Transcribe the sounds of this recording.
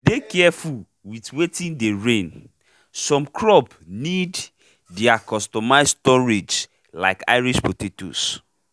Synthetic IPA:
dekɛɛful | witwetĩndeɹẽn | sɔ̃mkʰɹɔp | nid | diakɔstɔmaɪstɔɹed͡ʒ | la̰ɪka̰ɪɹiʃpotetṵs

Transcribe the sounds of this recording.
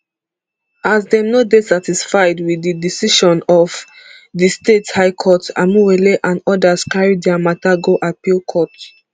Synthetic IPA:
azdɛmnɔbesatisfaɪdwiðidisiʃɔ̃nɔv | distethaɪkʰɔta̰muweleʔãnɔdaskaɹidɛamataɡoʔat̚pilkʰɔt

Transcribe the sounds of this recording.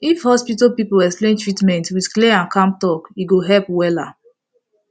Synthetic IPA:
ifhɔspitapipoɛksplẽntɹitmɛ̃ntwidkleãnkãmp̚tɔkiɡoɦɛlpwɛla

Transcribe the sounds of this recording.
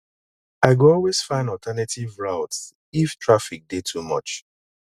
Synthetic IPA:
aɪɡuɔlwez̥fãɪ̃nɔltʰɛnatʰivɹaʊts | iftʰɹafik̚detʰumɔ̰t͡ʃ

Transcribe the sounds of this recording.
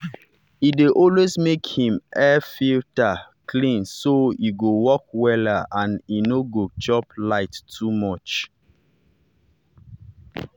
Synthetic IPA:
ideʔɔlwesmekhĩmʔɛfiltakʰlĩnsojiɡowɔk̚wɛləãninoɡot͡ʃɔplaɪtːʰumɔt͡ʃ

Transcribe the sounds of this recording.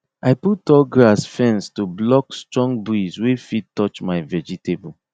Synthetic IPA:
aɪputɔlɡɹasfɛ̃nstublɔkstɹɔ̃ŋbɹizwefid̚tɔt͡ʃmaɪvɛd͡ʒitebu

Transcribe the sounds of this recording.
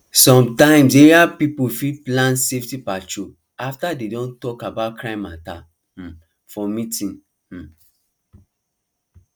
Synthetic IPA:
sɔ̃mtãɪ̃mseapipufiplãnseftipat͡ʃo | aftadedɔ̃ntɔkabaʊtkʰɹãɪ̃mãta̰ | h̩ | fɔmitĩn | h̩

